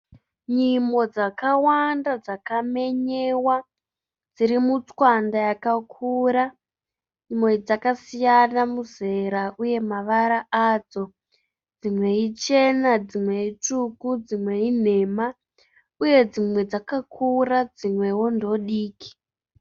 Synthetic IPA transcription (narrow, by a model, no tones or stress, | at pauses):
ɲimo̞d͡zakawandad͡zakame̞ɲewa | d͡ziɾimut͡swandajakakʰuɾa | ɲimwed͡zakasijanamuze̞ɾaʔuje̞maʋaɾaʔad͡zo̞ | d͡zimwe̞it͡ʃe̞nad͡zimwe̞itukud͡zimwe̞in̤e̞ːma | uje̞d͡zimwe̞d͡zakakʰurad͡zimwe̞wondo̞ɗiːki̥